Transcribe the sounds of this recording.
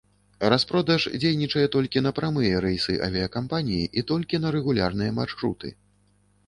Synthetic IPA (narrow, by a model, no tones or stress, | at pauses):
raspɾɔd̪ɐʂd͡zʲejnʲit͡ʂɐjɛt̪ɔlʲkʲinɐpɾamɨjɛɾɛjsɨʔɐ̰vʲiɐkampanʲijiʔit̪ɔlʲkʲinɐɾɛɣulʲarnɨjɛmarʂɾṵt̪ɨ̰